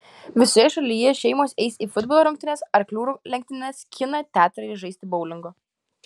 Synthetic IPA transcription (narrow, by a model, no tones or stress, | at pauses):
ʋʲɪsoːjɛʃɐlʲiːjɛʃʲɛɪmoːsɛɪsiːfʊd̪boːlˠoːɾʊŋʲkt̪ʲɪnʲeːsɐɾklʲuːɾuːlʲɛŋʲk̚ʲt̪ʲɪnʲɛskʲʰɪnɐt̪ʲæːt̪ʊɾɐɪʒɐɪst̪ʲɪbɔʊlʲɪŋɡoː